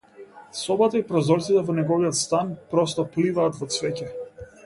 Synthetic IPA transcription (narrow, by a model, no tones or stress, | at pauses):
sɔbat̪aipɾɔzɔɾt̪sit̪ɛvɔnɛɡɔviɔt̪st̪anpɾɔst̪ɔplivaːt̪vɔt̪svɛcɛ